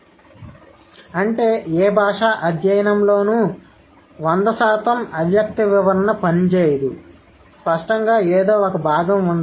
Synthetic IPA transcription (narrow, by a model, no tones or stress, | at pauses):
ɐɳʈe̞ːeːbʱaːʂaːʔɐd̪jɐjɐnɐmlo̞ːnu | ʋɐnd̪ɐsaːt̪ɐmɐʋjɐk̚t̪iʋiʋɐɾɐnɐpɐnt͡ʃeːjɐd̪u | spɐʂʈɐŋɡaːeːd̪o̞ːɔkɐbʱaːɡɐmund̪